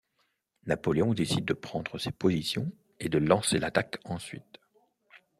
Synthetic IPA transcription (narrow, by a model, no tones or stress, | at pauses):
napɔleɔ̃d̪esid̪̚ːəpχɑ̃d̪ʁəsepozisjɔ̰̃ | ed̪əlɑ̃selat̪akɑ̃sɥḭt̪